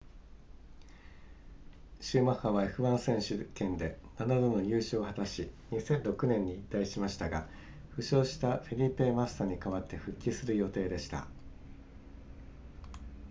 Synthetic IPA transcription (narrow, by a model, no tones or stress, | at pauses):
ɕɨːmahaβaeɸɯ̟βãɰ̃sẽ̞ɰ̃ɕɨkẽ̞nd̪e̞nanad̪ono̞jɯ̟ːɕoːhat̪aɕiɲ̟isẽ̞nɾo̞kɯ̟nẽ̞ɲ̟ːiːt̪ːaiɕimaɕi̥t̪aɡa | ɸɯ̟ɕo̞ːɕi̥t̪aɸeɾʲipːe̞mast̪aɲ̟ikaβat̪ːe̞ɸɯ̟kʲːisɨɾɯ̟jo̞t̪e̞ːd̪e̞ɕi̥t̪a̰